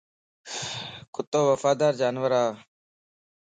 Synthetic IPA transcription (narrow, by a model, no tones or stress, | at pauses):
kʊt̪ːoːʋəfaːd̪aːɾd͡ʒaːnʋəɾaː